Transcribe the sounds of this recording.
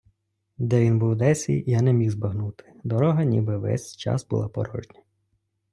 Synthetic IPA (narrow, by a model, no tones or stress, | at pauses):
d̪ɛʋʲinbuwd̪ɛsʲḭjanɛmʲiwzbɐɦnut̪ɪ̥d̪ɔɾɔɦɐnʲḭbɪʋɛ̰sʲt͡ʃɑ̰sbṵlˠɑpɔ̰ɾɔ̰ʒnʲɐ̥